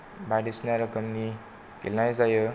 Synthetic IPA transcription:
baɖisnaɾʌkʌmni | ɡʱḛlnajd͡zajə

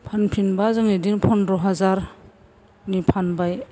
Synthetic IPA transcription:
pʰanpʰinbazaŋidiŋpʰɔnɾɔɦazaɾ | nipʰanbaj

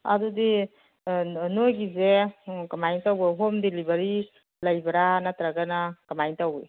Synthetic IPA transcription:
a̰dudi | nojɡizekamajntawbaɦomdelibaɾi | lajbaɾanatɾaɡanakamajntawe

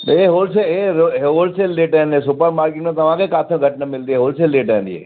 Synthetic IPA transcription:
eɦolseeoolselːeʈanẽsʊpəɾmaːɾkɪʈnẽt̪ɐmãkekat̪ʰẽɡʱɐʈnamɪlt̪ieɦolselːeʈanḭɦḛ

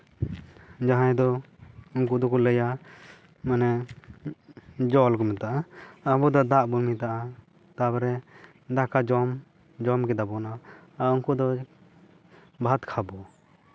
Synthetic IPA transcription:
d͡ʒaɦãjd̪ɔ | uŋk̬ud̪ɔkɔləja | manɛ | d͡ʒɔlkɔmɛt̪aʔaːbɔd̪ɔd̪aʔbuɾmit̪aʔa | t̪abɾɛ | d̪akad͡ʒɔm | d͡ʒɔmkɛd̪abɔnaauŋkud̪ɔ | bʱat̪kʰabɔ

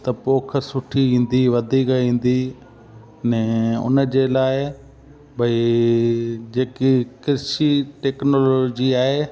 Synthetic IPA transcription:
t̪ɐpoːkʰəsʊʈʰiʋĩːn̆d̪iʋɐd̪ʱikĩːn̆d̪i | nɛ̃ːʊ̰nə̆d͡ʑeːlaːɪ | bʱɐi | d͡ʑeːkikɪɾʃiʈeːknoːloːd͡ʑiaːɦeː

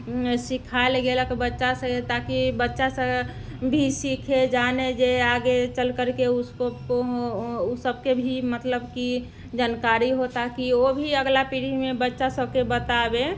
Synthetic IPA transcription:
sikʰaelɡeləkbətːʃaset̪akibətːʃasə | bʱisikʰed͡ʒaned͡ʒeaɡet͡ʃəlkəɾkeʊskoko | səbkebʱimət̪ləbki | d͡ʒaːnkaɾiɦot̪akiobʱiəɡlapiɽ̤imẽbətːʃasəb̚kebət̪abe

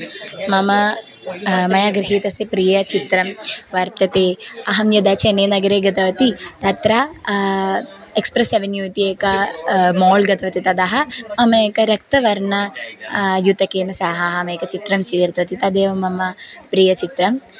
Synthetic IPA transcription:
mɐmɐ | mɐjaːɡɾɪɦiːt̪ɐsepɾijɐt͡ʃit̪ɾɐmʋɐɾt̪ɐt̪eːɐɦɐmjɐd̪aːt͡ʃʰeneːnɐɡɐɾeːɡɐt̪ɐʋɐt̪it̪ɐt̪ɾaː | ekspɾɐseʋenjuːt̪ieːkɐmoːlɡɐt̪ɐʋɐt̪it̪ɐd̪aɦɐmɐmɐekɐɾɐk̚t̪ɐʋɐɾnɐ | jut̪ɐkeːnɐsaːɦɐɦɐmeːkɐt͡ʃit̪ɾɐmsiːɾt̪ɐt̪it̪ɐd̪eːʋɐmɐmɐpɾijɐt͡ʃit̪ɾɐm

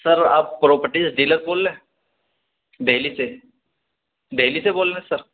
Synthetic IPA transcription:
səɾa̰ːpːɾɔpəɾʈiːsɖiːləɾboːlːẽ | ɖʱelise | ɖʱeliseboːllẽsəɾ

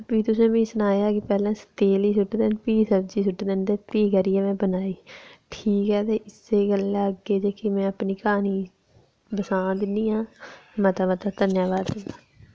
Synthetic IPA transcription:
piːt̪ʊsẽːmĩːsənaːjaːkɪpɛːlãːst̪eːliːsʊʈd̪eːnpiːsəbd͡ʒiːsʊʈːd̪eːnt̪eːpiːkəɾiːɛːmɛ̃ːbənaːiːʈʰiːkɦɛːt̪eːʔɪseːɡəlːaːəɡːeːd͡ʒəkɪmɛ̃ːəpniːkaːniː | bəsãːd̪ɪniːãːmə̃t̪aːmət̪at̪ənjaːʋaːd̪ɪnd̪aː

